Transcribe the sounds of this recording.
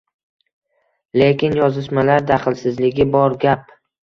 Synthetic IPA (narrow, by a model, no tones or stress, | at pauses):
le̞kʲɪnjɒzɪʃmalaɾd̪aχɪlsɪzlɪɡʲɪbɒɾɡʲap̚